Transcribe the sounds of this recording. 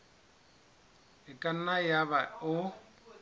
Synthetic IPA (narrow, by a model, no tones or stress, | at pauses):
ɪkʼan̩najaβaʊ